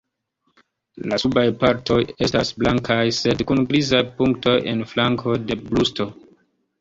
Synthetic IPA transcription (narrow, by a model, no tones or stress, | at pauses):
lasubajpaɾto̞je̞stasblaŋkʰajse̞dkunɡɾizajpuŋkto̞je̞̰nflaŋkʰo̞de̞blusto̞